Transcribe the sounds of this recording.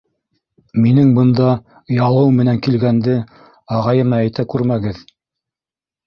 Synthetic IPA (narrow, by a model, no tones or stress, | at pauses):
minɘŋbɤ̆nd̪ɑ | jɑlˠɤwmɘ̆næŋkilɡænd̪ɘ | ɑʁɑjɤ̆mɑæjt̪ækʉɾmæɡɘð